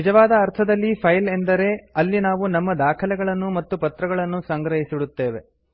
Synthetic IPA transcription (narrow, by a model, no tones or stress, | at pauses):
nid͡ʒɐʋaːd̪ɐːɾt̪ʰɐd̪ɐlːipʰɐjlend̪ɐɾe̞ɐlːinaːʋunɐmːɐd̪aːkʰɐlɛɡɐɭɐnːumɐt̪ːupɐt̪ɾɐɡɐɭɐnːusɐŋɡɾɐɦisiɽut̪ːe̞ːʋe̞